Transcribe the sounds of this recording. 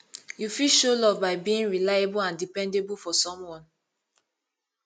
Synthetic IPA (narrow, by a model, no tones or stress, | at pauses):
jufiʃolɔvbaɪbiĩnɹilaebulãndipɛ̃ndebulfɔsɔ̃mwɔ̃n